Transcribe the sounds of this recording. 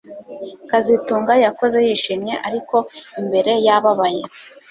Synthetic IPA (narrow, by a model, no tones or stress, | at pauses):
kazituːŋɡajako̞ze̞jiʃimɲe̞ʔaɾiko̞imbe̞ɾe̞jaβaβaje